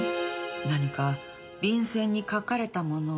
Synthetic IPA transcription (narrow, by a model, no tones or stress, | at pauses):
naɲ̟ika | bʲĩɰ̃sẽ̞ɲ̟ːikakaɾe̞t̪amo̞no